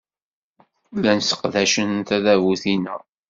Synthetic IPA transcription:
lænsə̥qðæʃənt̪æðævuθinə

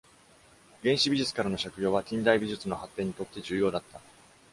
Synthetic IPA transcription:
ɡẽ̞ɰ̃ɕibʲiʑɨt͡sɨ̥kaɾano̞ɕakɯ̟jo̞ːβatʲĩnd̪aibʲiʑɨt͡sɨno̞hat̪ːẽ̞ɲ̟ːit̪o̞t̪ːe̞d͡ʑɨːjo̞ːd̪at̪ːa

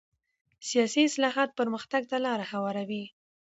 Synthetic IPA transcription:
sijɑsiɪslɑɦɑt̪̚pəɾməxt̪aɡ̚t̪alɑɾahawɑɾawi

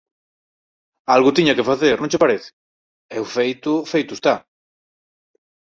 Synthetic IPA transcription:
alɣʊt̪iɲɐkefaθeɾnõɲt͡ʃepaɾeθɪ̥ | ewfejt̪ʊfejt̪ʊest̪a

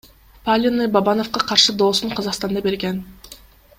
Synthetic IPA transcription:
palʲinɯbɑbɑno̞fqɑqʰɑɾʃɯd̪oːsuɴqʰɑzɑqst̪ɑnd̪ɑbe̞ɾɡen

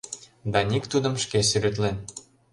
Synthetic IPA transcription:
d̪ɑnʲikt̪ud̪ə̆mʃkesyɾɘ̆t̪len

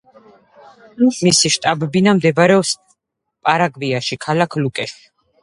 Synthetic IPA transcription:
misiʃt̪ʼabbinamd̪ɛbɾɛɔs | pʼaɾaɡviaʃikʰalakʰlukʼɛʃ

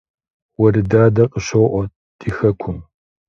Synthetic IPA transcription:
wɐɾɨdaːdɐqʼəɕɐwʔʷɔ | d̥iːxɐkʷʰʊm

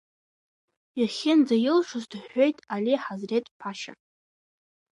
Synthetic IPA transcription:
iχʲɪnd͡zajɪlʂʊzdħʷo̞jtʼaliħazretʼpʰaʃa̰

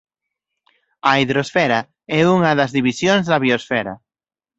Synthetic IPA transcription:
ɐiðɾosfɛɾɐ | ɛuŋɐðɐzðiβisjonzðɐβiosfɛɾɐ̰

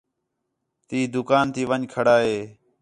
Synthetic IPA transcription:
t̪iːd̪ʊkaːnt̪ʰiːʋəɲkʰəɽaːɦeː

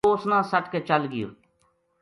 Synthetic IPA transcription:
oːsnãːsəʈket͡ʃəlɡɪjo̰ː

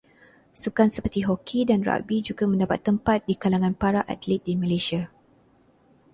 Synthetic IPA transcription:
sukansəpərt̪iɦɔkʰidanra̰bid͡ʒuɡamə̃ndapa̰t̪ːəmpat̪̚dikalaŋãnpaɾaʔa̰t̪lit̪̚diməleʃia

